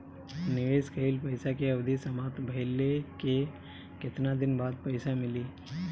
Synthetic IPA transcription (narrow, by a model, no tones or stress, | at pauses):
nɪʋeːskəɪlpɐɪsakeɐʋd̪ʱisɐmaːt̪bʱɐɪleke | kɪt̪nad̪ɪnbaːd̪̚pɐɪsamɪliː